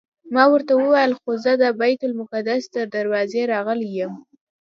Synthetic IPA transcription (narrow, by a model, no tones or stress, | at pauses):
mɑwəɾt̪awəwajəlxozəd̪əbajt̪ʊlmʊkad̪asd̪əɾd̪aɾwɑzeɾɑɣəlejəm